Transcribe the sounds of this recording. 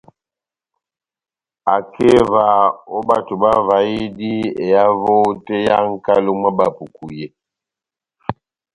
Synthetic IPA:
a˨kʰe˦va˨o˦ba˦˨tu˨ba˦va˨ji˦di˦e˨ja˦vo˦te˦ja˦ŋ˦ka˦lo˦ma˦ba˨pu˨ku˨je˨

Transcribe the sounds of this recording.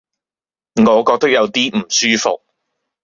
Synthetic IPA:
ŋɔː˨˧kɔː˧k̚t̪ɐ˥k̚jɐ˨˧wt̪iː˥m̩˨˩syː˥fʊ̰˨k̚

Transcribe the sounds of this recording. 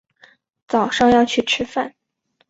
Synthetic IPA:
t͡sɑ˨˩ʊʂɑ˥˧ŋjɑ˥˧ʊt͡ɕʰy˥˩ʈ͡ʂʰɻ̩˥fa˥˩n

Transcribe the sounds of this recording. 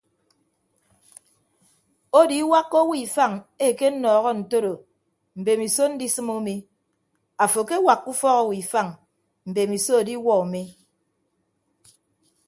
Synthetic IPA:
o˦di˦wa˦kːo˦wi˨fa˦˨ŋe˦˨ke˦n̩˦nɔː˨ɣɔ˦n̩˨to˦ɾo˨ | m̩˨be˨mi˨so˦n̩˦di˦sɨ˦mo˦me˦ | a˨fo˨ke˦wa˨kːu˦fɔ˦ɣo˦˨wi˨fa˦˨ŋ | m̩˨be˨mi˨so˦o˨di˦wɔ˦o˨me˦

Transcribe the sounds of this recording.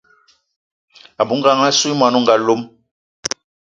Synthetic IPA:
a˨bu˦ŋ˦a˦ŋa˦su˦i˦ma˨nu˦ŋ˨ɡa˨lo˦m

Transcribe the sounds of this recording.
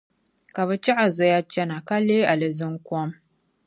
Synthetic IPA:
ka˨βɛ˨t͡ʃa˦ʔa˨zɔ˨ja˦t͡ʃɛ˦na˨ka˦leː˦a˨lɨ˨zɨ˦ŋ˦kɔ˦m

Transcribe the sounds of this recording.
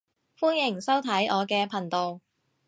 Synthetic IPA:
fuː˥njɪ˨˩ŋsɐ˥wt̪ʰɐ˨˥jʔɔː˨˧kɛː˧pʰɐ˨˩nt̪o˨w

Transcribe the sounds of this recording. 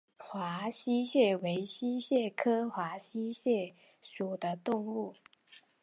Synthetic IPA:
xwa˧˥ɕi˥ɕjɛ˥˩we˧˥ɪɕi˥ɕjɛ˥˩kʰɤ˥xwa˧˥ɕi˥ɕjɛ˥˩ | ʂu˨˩d̪ə˦t̪ʊ˥˧ŋu˥˩

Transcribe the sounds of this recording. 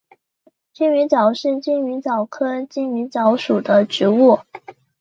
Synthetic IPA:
t͡ɕy˥˩ny˧˥t͡sɑ˨˩ʊʂɻ̩˥˧t͡ɕi˥˩ny˧˥t͡sɑ˨˩ʊkʰɤ˥t͡ɕi˥˩ny˧˥t͡sɑ˧˥ʊʂu˨˩d̪ə˦ʈ͡ʂɻ̩˧˥wu˥˩

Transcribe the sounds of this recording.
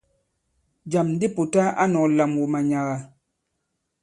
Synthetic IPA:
d͡ʒa˨mn˦di˦pu˨ta˦ʔa˦nɔ˨la˨mwu˨ma˨ɲa˨ɣa˨

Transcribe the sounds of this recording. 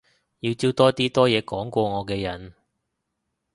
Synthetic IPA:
jiː˧wt͡siː˥wt̪ɔː˥t̪iː˥t̪ɔː˥jɛː˨˧kɔː˨˥ŋkʷɔː˧ŋɔː˨˧kɛː˧jɐ˨˩n

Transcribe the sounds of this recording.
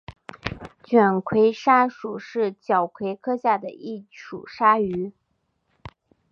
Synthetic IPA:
t͡ɕɥɛ˨˩nkʰwe˧˥ɪʂa˥ʂu˨˩ʂɻ̩˥˩t͡ɕjɑ˨˩ʊkʰwe˧˥ɪkʰɤ˥ɕja˥˩d̪ə˩i˥˩ʈ͡ʂʰṵ˨˩ʂa˥y˧˥

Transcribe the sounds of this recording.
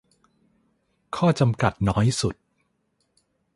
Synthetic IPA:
kʰɔː˥˩t͡ɕa˧mka˨˩t̪̚nɔː˦˥jsu˨˩t̪̚

